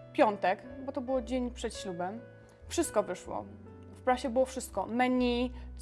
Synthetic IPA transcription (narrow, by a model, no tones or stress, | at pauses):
pʲjɔnt̪ɛkbɔt̪ɔbɘwɔd͡ʑeɲpʂɛt̪ɕlubɛm | fʂɘst̪kɔvɘʂwɔ̰ | fpɾaɕɛbɘwɔfʂɘst̪̚kɔmɛɲʲi